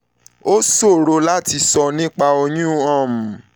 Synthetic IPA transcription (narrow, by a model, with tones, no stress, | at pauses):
o˦so˦˨ɾo˧la˦ti˧sɔ˧nĩ˦k͡pa˧o˧jũ˦ã˦˨m̩˨